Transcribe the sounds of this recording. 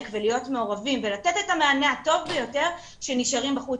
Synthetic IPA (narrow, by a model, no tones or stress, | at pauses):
kvelijo̞tme̞o̞ʁavimvelatetetamaaneato̞vbejo̞te̞ʁ | ʃe̞niʃaʁimbaχu